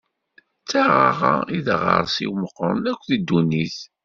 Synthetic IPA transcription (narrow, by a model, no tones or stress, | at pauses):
t͡sːaʁaʁa̰iðʁə̰ɾˤsḭwməqːəɾˤnækʷːθid̪ːuniθ